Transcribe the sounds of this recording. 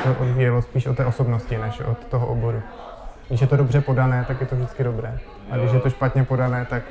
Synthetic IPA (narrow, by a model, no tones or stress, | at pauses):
t̪oʔodvijɛlospiːʃot̪ːɛːʔo̞so̞bnoscɪnɛʃo̰t̪ːoɦoʔobo̞ɾu | ɡdɪʃ̬jɛt̪odo̞brɛpo̞danɛːt̪akjɛt̪o̞vʒdɪt͡skɪdo̞bɾɛː | ʔaɡdɪʃ̬jɛt̪o̞ʃpat̪ɲɛpo̞danɛːt̪ak